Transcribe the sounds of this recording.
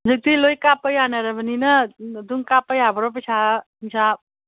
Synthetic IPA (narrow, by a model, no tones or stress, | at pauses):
d͡zət̪ilojkapəjanaɾəbəninad̪uŋkapəjɦabɾopəsʰaɦisab̚